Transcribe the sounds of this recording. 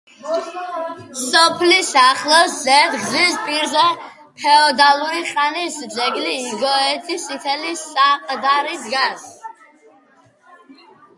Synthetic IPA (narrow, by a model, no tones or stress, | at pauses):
sɔpʰlisaχlˠɔszɛd̪ɡzispʼiɾzɛ | pʰɛɔd̪aluɾiχʼanisd͡ʒɛɡliːɡɔɛt̪ʰisit̪ʰɛlisaqʼd̪aɾid̪ɡas